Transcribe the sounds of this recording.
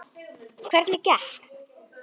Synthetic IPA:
kʰv̥ɛɾt̪nɪcah

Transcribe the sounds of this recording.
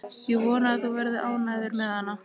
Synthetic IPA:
sjɛvɔːnaθɔɣvɛɾðʏʔaːwnajðɪɾmɛðhanːa

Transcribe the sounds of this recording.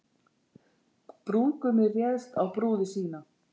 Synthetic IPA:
pɾuːkʏmɪrjɛðst̪awpɾuːðɪsiːna

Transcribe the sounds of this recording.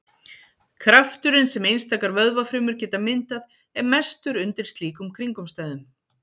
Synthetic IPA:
kʰɾaft̪ʏɾɪnsɛmejnst̪aːkaɾvœðvafɾʏːmʏɾ̥cɛːt̪amɪnt̪að | ɛɾmɛst̪ʏɾʏnt̪ɪɾ̥st̪liːkʏmkʰɾiŋkʏmst̪aːjðʏm

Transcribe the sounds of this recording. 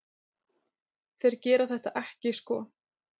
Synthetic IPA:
θejɾcɛːɾaθɛht̪aʔɛhcɪskɔː

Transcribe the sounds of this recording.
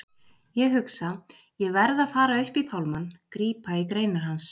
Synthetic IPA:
jɛɣɦʏksa | jɛɣvɛɾðaðfaːɾaʏhpipʰawlmankɾiːpaikɾeːjnaɾ̥ɦans

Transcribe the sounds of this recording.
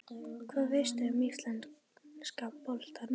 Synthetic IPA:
kʰvɛðvɪst̪emislan | skappɔlt̪an

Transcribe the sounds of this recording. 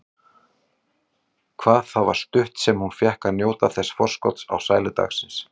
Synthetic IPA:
kʰv̥aːðθawvaɾ̥st̪ʏht̪sɛmhunfjɛhkanjoːwt̪aθɛsfɔr̥skɔt̪sa̰wsaːjlɪt̪a̰xsɪns

